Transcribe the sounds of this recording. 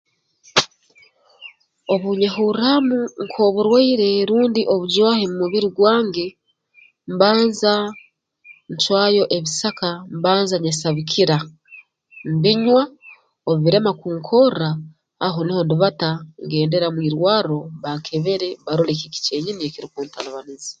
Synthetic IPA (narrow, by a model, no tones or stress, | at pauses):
o̞βuɲahuramuŋkʰoːβuɾwaiɾe̞ɾuːndiʔo̞βuɟwaːhemumuβiɾiɡwaːŋɡe̞ | mbaːnza | ɲt͡ʃwaːjo̞ʔe̞βisakambaːnzaɲasaβikʰiɾa | mbiɲwa | oββiɾe̞makuːŋkʰo̞raː | ɦoniho̞ndiβataŋɡe̞ːnde̞ɾamwiːɾwaːɾo̞βaŋkʰeβe̞ɾe̞βaɾolekici̥ce̞ːɲiniekiɾikuːntʰalaβanizi